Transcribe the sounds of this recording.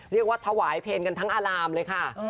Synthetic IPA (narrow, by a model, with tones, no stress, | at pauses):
ɾi˥˩ək̚waː˥˩t̪ʰa˧waː˩˦jpʰeː˧nka˧nt̪ʰa˦˥ŋʔaː˧laː˧mlɤː˧jkʰa˥˩